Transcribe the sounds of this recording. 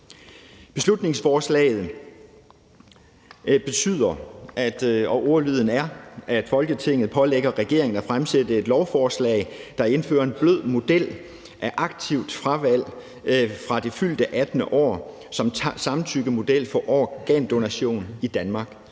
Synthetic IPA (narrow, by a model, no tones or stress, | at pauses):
b̥e̝slud̥ne̝ŋsfɒːslɛ̰ːð̞̩ˠ | b̥e̝t͡sʰy̰ð̰ˠɐʔæd̥ɒ̽ʔoʊɐlyːð̞̰ˠn̩æɐæd̥fɒ̽lɡ̥ət͡sʰe̝ŋ̰ð̩ˠpʰɒ̽leɡ̥ɐʁɛɡ̥e̝ɐe̝ŋn̩æfʁamsed̥əe̝d̥lɒʊfɒːslɛ̰ɪd̥ɑ̈e̝nfø̰ːɐe̝nb̥løð̰ˠmo̝d̥el̰ | ʔæʔɑ̈ɡ̥t͡sʰiʊ̰d̥fʁɑʋæl̰ | fʁɑ̈d̥e̝fyl̰d̥əʔæd̥nəʔɒ̰ː | sɒ̽msɑ̈mn̩t͡sʰyɡ̥əmo̝d̥el̰fɒ̽ʔɒːɡ̥ɛːnd̥o̝næɕo̝̰ːnid̥ænmɑ̈ːɡ̥